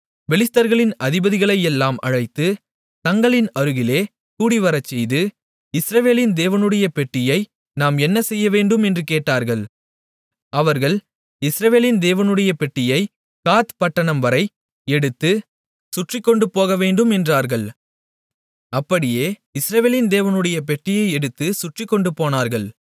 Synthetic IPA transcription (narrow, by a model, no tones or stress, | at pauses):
ʋɛlɪst̪ɐɾɣɐɭɪnɐðɪbɐðɪɣɐɭɐɪɛlːaːmɐ̰ɻɐɪt̪ːɯ | t̪ɐŋɡɐɭɪnɐɾɯɣɪleː | kuːɽiʋɐɾɐt͡ʃːɛjðɯ | ɪsɾɐʋeːlɪnd̪eːʋɐnɯɽɐjɐpɛʈːɪjɐɪ | naːmɛnːɐsɛjːɐʋeːɳɖɯmɛndrɯkeːʈːaːɾɣɐɭ | ɐʋɐɾɣɐɭ | ɪsɾɐʋeːlɪnd̪eːʋɐnɯɽɐjɐpɛʈːɪjɐɪ | kaːt̪pɐʈːɐɳɐmʋɐɾɐɪ | ɛɽɯt̪ːɯ | sʊʈrɪkːɔɳɖɯpoːɣɐʋeːɳɖɯmɛndraːɾɣɐɭ | ɐpːɐɽɪjeːɪsɾɐʋeːlɪnd̪eːʋɐnɯɽɐjɐp̬ɛʈːɪjɐɪɛɽɯt̪ːɯsʊʈrɪkːɔɳɖɯpoːnaːɾɣɐɭ